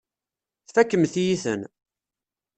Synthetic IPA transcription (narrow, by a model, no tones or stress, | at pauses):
θfækːəmθjiθə̰n